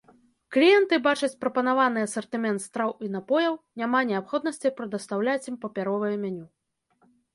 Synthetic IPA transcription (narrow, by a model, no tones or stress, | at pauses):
klʲijɛnt̪ɨbat͡ʂɐt͡sʲpɾɐpɐnavanɨɐsɐrt̪ɨmʲɛnt̪st̪ɾawinapɔjɐwnʲamanʲɛapxɔd̪̚nɐsʲt͡sʲijpɾɨd̪ɐst̪awlʲat͡sʲimpɐpʲaɾɔvɐjɛmʲanʲu